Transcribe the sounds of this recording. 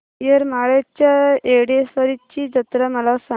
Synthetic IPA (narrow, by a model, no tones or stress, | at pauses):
jəɾmaɭjat͡ɕjaeɽiesʋəɾit͡ɕiːd͡zət̪ɾəməlasa